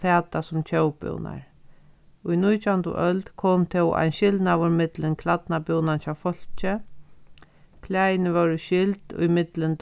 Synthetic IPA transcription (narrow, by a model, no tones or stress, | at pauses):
fɛːt̪asʊmt͡ɕʰœwpʏ̰wna̰ɹ | ʊjnujt̪ʰant̪ʊ̰ʔœlt̪kʰɔːmt̪ʰɛwʔa̰jnʃɪld̪navʊɾmɪt̪lɪnkʰlat̪napɪwnant͡ʃawfɔl̥t͡ʃɪ | kʰlajnɪʋœwɾʃɪlt̪ʊ̰jmɪt̪lɪnt̪